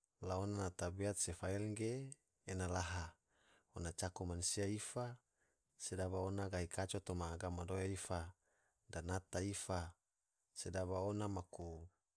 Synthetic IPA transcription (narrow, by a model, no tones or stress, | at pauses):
laonanat̪abeat̪̚sefaelŋɡeː | nalaɦa | onat͡ʃakumansiaifa | sedaβaonaɡaikat͡ʃot̪omaːɡamadojaifa | danat̪aifa | sedaβaonamaku